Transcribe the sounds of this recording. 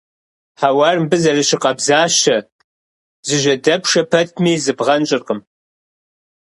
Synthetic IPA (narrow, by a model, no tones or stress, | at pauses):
ħawarmbɨzɐrɨɕɪqʼɐbzaːɕɐ | zɨʒʷɐdɐpʰʂɐpʰɐt̚ʰmiːzɨbʁɐnt͡ʃʼɨrqʼəm